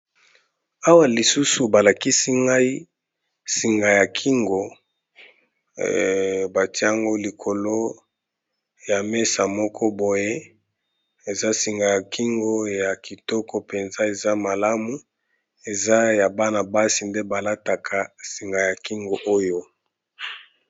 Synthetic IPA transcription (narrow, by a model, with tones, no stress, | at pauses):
a˦wa˨li˨su˦su˨ba˨la˨ki˦si˦ŋɡa˦i˦ | si˨ŋɡa˨ja˨kʰi˦ŋɡo˨ | ba˨ti˦a˦ŋɡo˦li˨kʰo˨lo˦ | ja˨me˦sa˨mɔ˦kʰɔ˦bo˨je˦ | e˨za˦si˨ŋɡa˨ja˨kʰi˦ŋɡo˦ja˨ki˨tɔ˦kɔ˨pe˨nza˦e˨za˦ma˨la˦mu˨ | e˨za˦ja˨ba˦na˨ba˦si˨nde˦ba˨la˦ta˨kʰa˨si˨ŋɡa˨ja˨ki˦ŋɡo˨ʔo˦jo˦